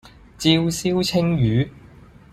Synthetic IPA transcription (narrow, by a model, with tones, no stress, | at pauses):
t͡si˧wsi˥wt͡sʰɪ˥ŋjyː˨˥